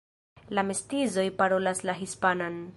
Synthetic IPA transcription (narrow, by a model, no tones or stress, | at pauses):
lamestizo̞jpaɾo̞laslaɦispanan